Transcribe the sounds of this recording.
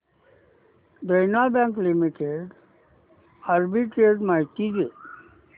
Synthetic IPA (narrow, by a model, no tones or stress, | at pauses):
d̪ənabɛ̃ŋklimiʈeɖ | aɾbiʈɾeɖmajt̪id͡ʒe